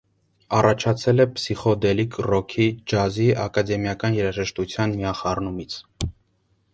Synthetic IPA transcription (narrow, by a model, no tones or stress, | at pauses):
ɑrɑt͡ʃʰɑt͡sʰɛlɛpsiχɔd̪ɛlikrɔkʰid͡ʒɑziɑkɑd̪ɛmjɑkɑnjɛɾɑʒɛʃt̪ut͡sʰjɑnmijɑχɑrnumit͡sʰ